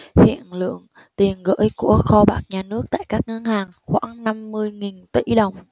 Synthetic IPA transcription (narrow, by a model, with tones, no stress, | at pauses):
hḭ˧˨ənlɨ̰˧˨əŋ | t̪i˨˩ənɣə̰ː˧˥jku˧˩əxɔ˧ɓaː˦˥k̚ɲaː˨˩nɨ˦˥ək̚t̪a̰ː˧˨jkaː˦˥k̚ŋə˧nhaː˨˩ŋxwaː˧˥ŋna˧mːɨ˧əjŋi˨˩nt̪ḭ˧˩˥ɗə˨˩wŋ͡m